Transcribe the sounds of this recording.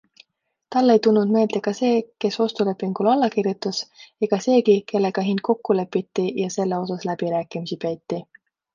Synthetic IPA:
t̪ɑlːe̞jt̪unːund̪me̞ːld̪̥e̞kɑse̞ːke̞sost̪ule̞pːˑiŋɡ̥ulɑlːɑkirjut̪ːˑuseɡ̥ɑse̞ːkike̞lːe̞ɡ̥ɑɦind̪̚ko̞kːule̞pːˑit̪ːijɑse̞lːe̞o̞sɑslæb̥iɾæːkˑimisipejt̪ːˑi

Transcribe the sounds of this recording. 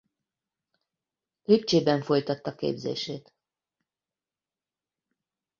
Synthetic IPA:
øt͡ʃeːbɛɱfo̞jt̪ɒt̪ːɒkḛːbzḛːʃeːt̪

